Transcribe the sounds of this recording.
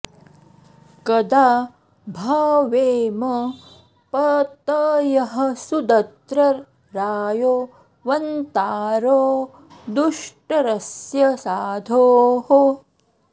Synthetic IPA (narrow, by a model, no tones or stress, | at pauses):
kɐd̪aː | bʱaːʋeːmɐ | pɐt̪ɐjɐɦɐ̆sud̪ɐt̪ɾɐɾː | aːjoː | ʋɐnt̪aːɾoː | d̪uʂʈɐɾɐsjɐsaːd̪ʱoːɦo